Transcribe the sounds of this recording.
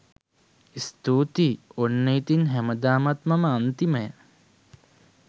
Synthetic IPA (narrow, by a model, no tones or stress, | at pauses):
ist̪uːt̪ionːeit̪inɦæməd̪aːmat̪maməant̪iməjə